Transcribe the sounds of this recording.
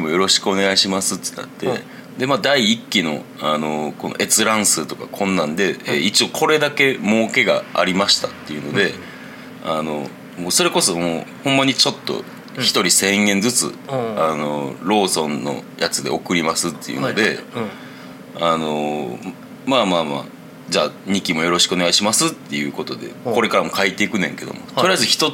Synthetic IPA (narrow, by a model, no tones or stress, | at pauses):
mo̞jo̞ɾo̞ɕi̥kɯo̞ne̞ɡaiɕimasɨt̪ːena̰t̪ːe̞ | d̪e̞maːd̪aiːkʲːino̞̰ano̞ko̞no̞̰ʔe̞t͡sɨɾãɰ̃sɨt̪o̞ka̰kʰõ̞nːãnd̪e̞eit͡ɕio̞kʰo̞ɾe̞d̪ake̞mo̞ːke̞ɡa̰a̰ɾʲimaɕi̥t̪at̪ːe̞iɯ̟no̞d̪e̞ | ano̞̰ | moːso̞ɾe̞ko̞so̞moːhõ̞mːaɲ̟it͡ɕo̞t̪ːo̰ | çi̥t̪o̞ɾʲisẽ̞ɰ̃ɡẽ̞nd͡zɨt͡sɨ̰ano̞ɾo̞ːsõ̞nːo̞̰jat͡sɨd̪e̞o̞kɯ̟ɾʲimasɨt̪ːe̞̰jɯ̟̰no̞d̪e̞ | ano̞ | maːmaːma̰ː | d͡ʑaːɲ̟ikʲimo̞jo̞ɾo̞ɕi̥kɯoneɡaiɕimasɨt̪ːe̞jɯ̟ko̞t̪o̞d̪e̞̰ko̞ɾe̞kaɾamo̞kait̪ːe̞ikɯ̟nẽ̞ŋke̞d̪o̞̰mo̞̰t̪oɾiaizɨçi̥t̪o̞